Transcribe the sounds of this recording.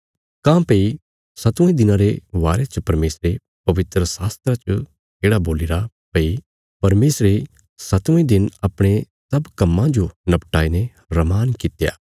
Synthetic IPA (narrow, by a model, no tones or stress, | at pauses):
kãːpei | sɐt̪ũĩd̪ɪnãɾeʋaːɾet͡ʃpɐɾmeːsɾe | pɐʋɪt̪ɾəsaːst̪ɾat͡ʃə | keːɽaboːlɪɾa | pɐi | pɐɾmeːsɾe | sɐt̪ũĩd̪ɪnɐpɽ̃e | sɐbkɐmːãd͡ʒonɐpʈaːine | ɾɐmaːnkɪt̪ja̰ː